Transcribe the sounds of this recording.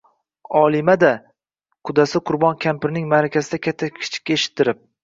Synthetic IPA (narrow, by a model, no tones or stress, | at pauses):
ɒlˠɪmad̪a | qʰʊd̪asɪqʰʊɾbɒnkʲʰampɪɾnɪŋmaɾakʲazɪd̪akʲʰat̪ʰːakʲʰɪ̥t͡ʃʰɪ̥kʲːaeʃɪ̥t̪ʰːɪɾɪp̚